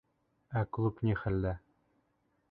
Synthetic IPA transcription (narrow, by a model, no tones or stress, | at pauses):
æklˠupnʲiχælːæ